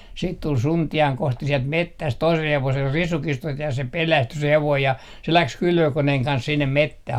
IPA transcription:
siːt tul suntiɑŋ kosti siɛlt metːæst toisel heʋosel risukistost jɑ se pelæsty se heʋoij jɑ se læks kylʋøkoneheŋ kɑns sinːem metːæh

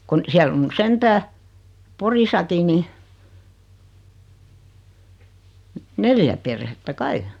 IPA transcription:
kun siælː on ny sentæː porisɑki ni neljæ perhetːæ kɑi

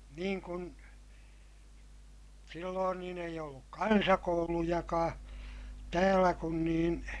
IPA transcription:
niːŋ kun silːoːn niːn eij olːuk kɑnsɑkoulujɑkɑː tæːlːæ kun niːn

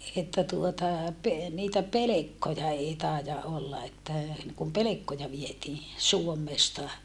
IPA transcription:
etːæ tuotɑ pe niːtæ pelekːojɑ eˑi tɑˑijɑ ʔolːɑ etːæ niŋ kum pelekːojɑ ʋietiː suomːestɑ

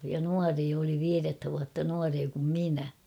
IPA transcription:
jɑ nuɑreː oli ʋiːretːæ ʋuɑtːɑ nuɑreː kum minæ

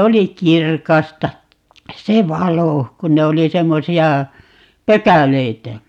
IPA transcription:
oli kirkɑstɑ se ʋɑlo kun ne oli semːosiɑ pøkæleitæ

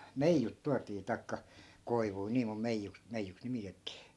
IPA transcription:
meijːut tuɑtiː tɑi̯kːɑ koiʋui niː mum meijːuks meijːuks nimitetːiː

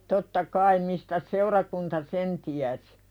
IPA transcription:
totːɑ kɑim mistæs seurɑkuntɑ sen tiæsi̥

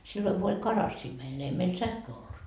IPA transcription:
silːoŋ ku olʲ kɑrɑsːiː meil ne ei meil sæhkøː olːut

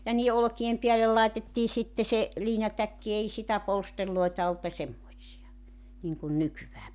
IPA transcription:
jɑ niːe olŏkiem piælel lɑi̞tetːiː sitːe se liːnɑtækːi ei sitæ polsterloi̞tɑ olt jɑ semːoĭtsiɑ niŋkun nykyʋæː

